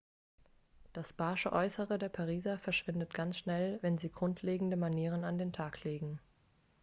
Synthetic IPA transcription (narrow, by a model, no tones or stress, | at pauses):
d̥asb̥aːʃəʔɔʏsəʁədeːɐpʰaʁ̞iːzɐfɛɐʃv̥ɪndətɡ̥ansʃnɛlvɛnziːɡʁʊntʰleːɡŋ̩dəmaniːʁ̞ənandeːntʰaːkʰleːɡŋ̩